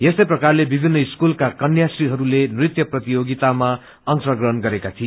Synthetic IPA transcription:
jesʌjprʌkarlebibʱinːʌiskulkakʌnjasriɦʌɾulenrit̪jʌprʌt̪ijoɡit̪ama | ʌŋsʌɡrʌɦʌnɡʌɾekat̪ʰie

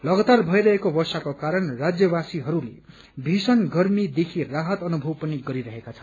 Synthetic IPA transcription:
lʌɡʌt̪arbʱʌiɾʌɦekobʌsakokaɾʌnrad͡zjʌbasiɦʌɾulḛ | bʱisʌnɡʌrmid̪ekʰiraɦʌt̪ʌnubʱʌwpʌniɡʌɾiɾʌɦekat͡sʰʌn

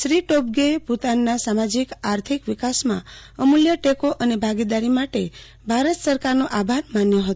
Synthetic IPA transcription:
ʃɾiʈob̚ɡeput̪anːasamad͡ʒikaɾt̪ʰikʋɪkasmã̰ | əmuljəʈekoʔənebʱaɡid̪aɾimaʈe | bʱaɾət̪səɾkaɾnoʔabʱaɾmanjoɦət̪

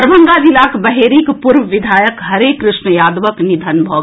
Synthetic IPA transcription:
ɾʋə̃ŋɡaːd͡ʒilaːkbɐɦeːɾikpʊɾʋʋɪd̪ʱaːjəkɦɐɾeːkːɾɪʃɳəjaːd̪ʋəknɪd̪ʱənbʱoː

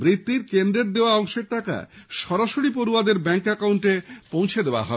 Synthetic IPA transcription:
bɾit̪ːiɾkend̪ɾeɾd̪eoaɔŋʃeɾt̪aka̰ʃɔɾaʃoɾipoɾuad̪eɾbɛŋkɛkawɳʈepõw̃t͡ɕʰed̪eoa̰ɦɔe

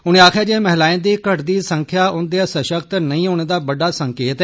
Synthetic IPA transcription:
ʊñẽːaːkʰjaːd͡ʒeeːmɛɦlaːẽnd̪iːkəʈd̪iːsə̃ŋkʰjaːʊnd̪easəʃəkt̪nəĩːɦoːñeːd̪aːbəɖaːsəŋkeːt̪

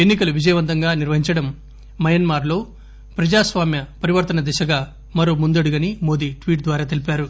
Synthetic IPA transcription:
enːikɐluʋid͡ʒɐjɐʋɐnt̪ɐŋɡaːniɾʋɐɦiɲt͡ʃɐɽɐmː | ɐjɐnmaːɾlo̞ː | pɾɐd͡ʒaːsʋaːmjɐpɐɾiʋɐɾt̪ɐnɐd̪ɛʃɐɡaː | mɐɾo̞ːmund̪ɐɽuɡɐnimo̞ːd̪iːʈʋiːʈ̚d̪ʋaːɾaːt̪̬e̞lipaːɾu

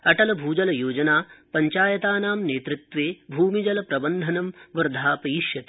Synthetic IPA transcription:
ɐʈɐlɐbʱuːd͡ʒɐlɐjoːd͡ʒɐnaːpɐɲt͡ʃaːjɐt̪aːnaːmneːt̪ɾit̪ʋeːbʱuːmid͡ʒɐlɐpɾɐbɐnd̪ʱɐnɐmʋɐɾd̪ʱaːpɐjiʃjɐt̪i̥

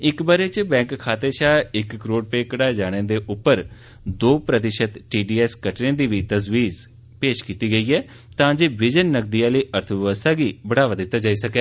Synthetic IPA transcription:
ɪkbəɾeːt͡ʃbɛ̃ːŋkkʰaːt̪eːʃaːɪkːɾoːɖ̚peːkəɽaːd͡ʒaːɽ̃ẽːd̪eːʔʊpːəɾ | d̪oːpɾət̪ɪʃət̪ʈiːɖiːɛːskəʈnẽːd̪iːʋiːt̪əsʋiːz | peːʃkiːt̪iːɡəiːɛː | t̪ãːd͡ʒeːbɪd͡ʒənːək̚d̪iːaːləiːʔəɾt̪ʰəʋɪʋəst̪ʰaːɡiːbəɽaːʋaːd̪ɪt̪ːaːd͡ʒaːiːsəkɛː

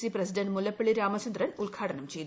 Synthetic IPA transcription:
siprɐsiɖɐnɖmulɐpːiɭiɾaːmɐt͡ɕɐnd̪ɾɐnulɡʱaːʈʰɐnɐmt͡ɕej̪

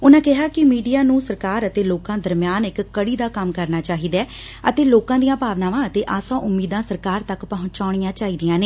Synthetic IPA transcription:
ʊnãːkɪɦaːkɪmiːɖijaːnũːsəɾkaːɾət̪eːloːkãːd̪əɾmjaːnɪkːəɽiːd̪aːkəmkəɾnaːt͡ʃaːɦiːd̪ɛː | ət̪eːloːkãːd̪ijãːpaːʋnãːʋãːət̪eːʔaːsãːʔʊmːiːd̪ãːsəɾkaːɾt̪əkpəɦʊ̃ɲt͡ʃaːʊɽ̃ɪjãːt͡ʃaːɦiːd̪ijãːneː

